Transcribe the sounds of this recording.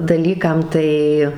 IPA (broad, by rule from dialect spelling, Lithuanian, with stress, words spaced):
dɐˈlʲiːkɐm ˈtɐɪ